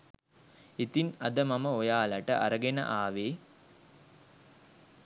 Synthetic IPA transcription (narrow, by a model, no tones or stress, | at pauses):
it̪inɐd̪əmaməojaːlɐʈəʔaɾəɡenə̰ʔaːʋeː